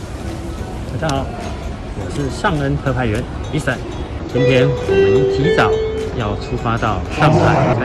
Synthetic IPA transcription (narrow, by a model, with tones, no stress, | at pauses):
wa˨˩ʈ͡ʂʰɑ˥xɑ˨˩˦ʊ | wɔ˨˩ʂɻ̩˥˧ʂɑ˥˩ŋə˥np̪ʰɤ˥˧pʰa˥˩ɪɥɛ˧˥ni˧˥sa˨˩˦n | ʈ͡ʂʰə˧˥ŋpʰjɛ˧˥n˨e˨˧˥t͡ɕi˧˥t͡sɑ˨˦ʊjɑ˥˩ʊʈ͡ʂʰu˥fa˥t̪ɑ˥˩ʊʂɑ˥˧ŋt̪ʰa˥˩ɪ˧